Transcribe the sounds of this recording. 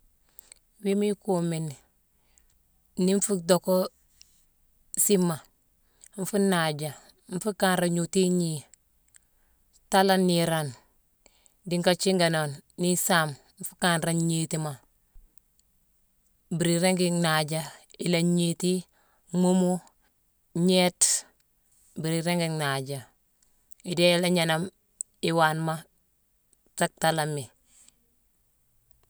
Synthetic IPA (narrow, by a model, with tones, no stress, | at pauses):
wi˦mi˦komi˨n | ni˦ɱ˦fu˦doko˦ | si˦mːa˨ | ɱ̩˦fu˦nad͡ʒa˨ | ɱ˦fu˦ka˦nɾa˨ɲu˨ti˦ɲi˨ | ta˦la˦nːiɾan | di˨ŋka˨t͡ʃi˦ŋɡa˨na˨nːi˦sam | ɱ˦fu̥˦ka˦nɾa˦nɲi˦tima | biɾiɾeŋɡiŋnaɟailaɲiti˦ | mu˦mu | ɲe˦t | bi˨ɾiɾeŋɡiŋnaɟa | i˨de˦la˦ɲanam | iwanma | ta˦k̚talamːi